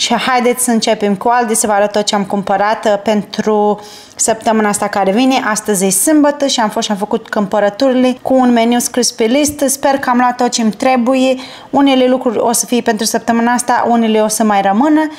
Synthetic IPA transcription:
ʃihajd̪e̞t̪sʲsəɨnt͡ʃepemkuald̪isəvaɾət̪ot̪̚t͡ʃeamkumpəɾat̪pe̞nt̪ɾu | səp̚t̪əmɨnaast̪akaɾe̞vine̞ʔast̪əzʲesɨmbət̪əʃiamfoʃamfəkut̪kɨmpəɾət̪uɾile̞kuːnmenuskɾispelist̪spe̞rkəamloat̪ːot̪̚t͡ʃemt̪ɾe̞buje | une̞le̞lukɾurʲo̞sə̥fijepent̪ɾusəp̚t̪əmɨnaast̪a̰ʔuneleosəmajrəmɨnə

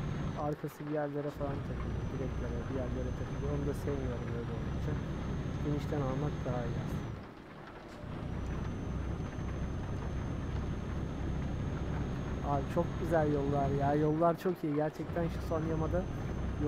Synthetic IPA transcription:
aɾkʰasɯd̪ijæɾlʲe̞ɾɛfalˠant̪ʰakʰɯlˠɯb̪iɾɛclʲeɾʲɛb̪ijæɾlʲe̞ɾɛt̪ʰakʰɯlˠɯonumd̪asɛvmijoɾɯmø̞jlʲɛolˠd̪ukt͡ʃʰaɟ̥eniʃt̪ʰænalˠmak̚d̪aajazɯ | aːbit͡ʃʰo̞k̚ɟyzælʲjo̞lˠːaɾjaːjo̞lˠːaɾt͡ʃʰo̞kʰijiɟæɾt͡ʃʰɛc̚t̪ʰænʃu̥sonjamad̪a | j

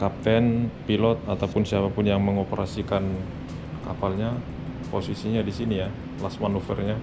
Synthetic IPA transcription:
kap̚t̪ɛnpilɔt̪̚at̪awpʊnsiapapʊnjaŋməŋopəɾʔasikan | kapalɲa | posisiɲadisinija | lasmanufə̰rɲa

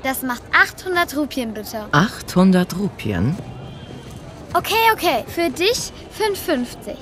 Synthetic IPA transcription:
d̥asmaχtʔaχthʊndɐtʁuːpʰjənbɪtʰəʔaχthʊndɐtʁuːpʰjə̰n | ʔokʰeːʔokʰeːfyːɐdɪç | fønfʏnft͡sɪç

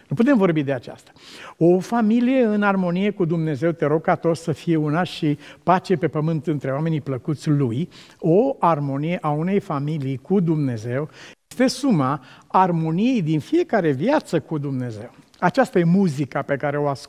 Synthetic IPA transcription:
nuput̪e̞mvo̞rbid̪eat͡ʃa̰st̪ḁo̞familije̞ɨnarmo̞nije̞kud̪umne̞ze̞wt̪e̞ɾo̞ɡ̚kat̪o̞səfije̞unaʃipat͡ʃe̞pe̞pəmɨnt̪ɨnt̪ɾe̞owame̞nipləkut̪sʲluj | o̞armo̞nije̞ʔaune̞jfamilijkud̪umne̞ze̞wjest̪e̞suma | armo̞nije̞jd̪infije̞kaɾe̞vjat̪səkud̪umne̞ze̞w | at͡ʃast̪aje̞muzikape̞kaɾe̞o̞as

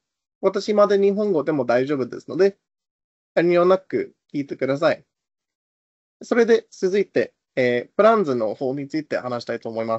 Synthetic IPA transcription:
βat̪aɕimad̪eɲ̟iɦõ̞ŋɡo̞d̪e̞mo̞d̪aiʑo̞ːbɯ̟d̪e̞̰sɨ̥no̞d̪e̞ | jaɾʲiɲʲionakɯ̟̰kʲiːt̪e̞kɯ̟d̪as̬ai | so̞ɾe̞d̪e̞sɨzɨit̪e̞ | eːbɯ̟ɾãnd͡zɨno̞ho̞ːɲ̟it͡sɨit̪e̞̰hanaɕi̥t̪ait̪o̞ːmo̞imas

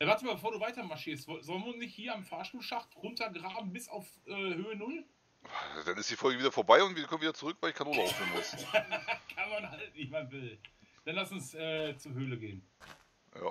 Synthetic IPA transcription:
ʔɛvaɐtəmaːlbəfoːɐduːvaɪtɐmaɐʃiːɐstz̥ɔlənviʊnsnɪçthiːɐamfaɐʃtuːlʃaχtʁʊntɐɡʁaːbm̩bɪsaʊfʔɛːhøːənʊl | d̥anɪstd̥iːfɔlɡəviːdɐfoɐbaɪʊntviːkʰɔm̩ːvidɐt͡suʁʏkvaɪlɪçkʰanoːlaʊfneːnmʊs | kʰanmanhaltnɪçmavɪld̥anlasʊnsʔɛːt͡suɦøːləɡeːən | ja̰ː

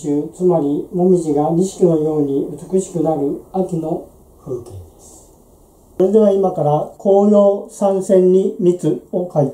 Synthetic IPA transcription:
ɯːt͡sɨmaɾʲimomʲiʑiɡaɾʲiɕi̥kʲino̞jo̞ːɲ̟iɯt͡sɨ̥kɯ̟ɕi̥kɯ̟naɾɯ̟akʲino̞ | ɸɯːke̞ːd̪esɨ̥ | oɾe̞d̪e̞β̞aimakaɾakʰo̞ːno̞ːsãɰ̃sẽ̞ɲ̟ːimʲit͡sɨo̞kait̪

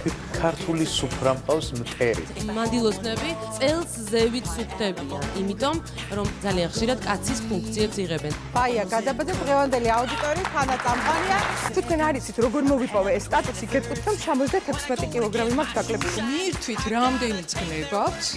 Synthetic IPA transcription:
kʰaɾt̪ʰulisupʰɾamqʼafsmt̪ʼɛɾḭmand̪ilˠɔsnɛbit̪sʼɛlˠszɛvit̪ʰsukʰt̪ʰɛbia̰nimit̪ʼɔm | ɾɔmd̪zalianχʃiɾad̪kʼat̪sʰispʰuŋkʰt̪sʰiɛpsiʁɛbɛnb̥aiaɡad̪abad̪zad̪ʁɛvand̪ɛliaud̪it̪ʼɔɾiːt̪ʰanat̪sʼamqʼaniat̪ʰu̥t̪̚ʰkʰwɛnaɾit̪sʰit̪ʰɾɔɡɔɾmɔvipʼɔvɛːst̪ʼat̪ʼusiɡɛt̪ʼkʼit̪ʰɛmsamɔt̪zʰʼd̪at̪ʰɛkʰsmɛt̪ʼikʼilˠɔɡɾamimakt̪sd̪akʼlɛbiʃmiɾt̪ʰwit̪ʰɾamd̪ɛnisɡnɛbak̚ʰsʰ

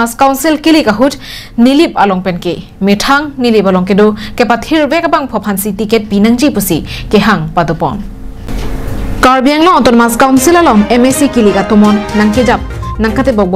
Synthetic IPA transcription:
askawnsilkilikaɦut | nilip̚alɔŋpenke | mitʰaŋnilipalɔŋkedɔkepatʰiɾbekabaŋpʰɔpʰansitiket̚binaŋd͡ʒipusikeɦaŋpadɔpɔ̰n | kaɾbijaŋlɔɔtɔnmaskawnsilalɔŋemesikilikatɔmɔnːaŋkid͡ʒap̚naŋkatebɔb

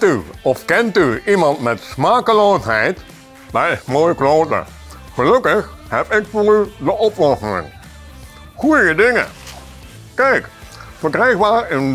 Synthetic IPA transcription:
tyɔfkɛntyimɑntmɛtsmaːkəloːsɦɛjt | daɪsmoːjəkloːtə̰ | χəlɵkəxhɛpɪkfoːrydəʔɔplɔsənɪ̰ŋ | χujəədɪŋə̰ | kɛjkfərkrɛjxbaːrən

